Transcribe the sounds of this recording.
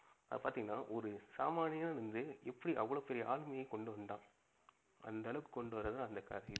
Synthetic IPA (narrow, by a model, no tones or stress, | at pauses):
ɐðɐpaːɾt̪iːŋɡɐnːaːʔɔɾɯsaːmaːnɪjɐnaːɾɯnd̪ɯɛpːɐɽiʔɐʋːɐɭoːpɛɾɪjɐʔaːɭmɐjɐɪkɔɳɖɯʋɐnd̪ãː | ʔɐ̰nd̪ɐɐɭɐʋɯkɔɳɖɯʋɐɾːɐðãɐnd̪ɐkːa̰ːɾi